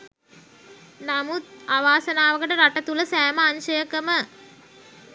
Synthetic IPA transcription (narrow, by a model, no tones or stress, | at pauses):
namut̪̚aʋaːsɐnaːʋəkəʈəɾaʈɐt̪uləsæːməaɲʃəjəkəmə